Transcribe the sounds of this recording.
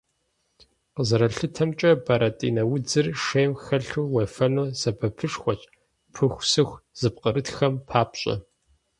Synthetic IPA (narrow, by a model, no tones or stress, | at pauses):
qəzɐɾɐɬɨtʰɐmt͡ʃʼɐbɐɾɐtʼḭːnɐwʊd͡zɨrʂeːmxɐɬuːwefɐnoːsɐbʰɐpʰɨʂxʷɐt͡ʃʼ | pʰɨxʷsɨxʷz̥ɨp̚qəɾɨtxɐmpʰaːpɕʼɐ̰